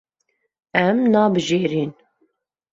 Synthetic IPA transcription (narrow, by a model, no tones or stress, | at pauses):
æmnɑːbəʒiːɾiːn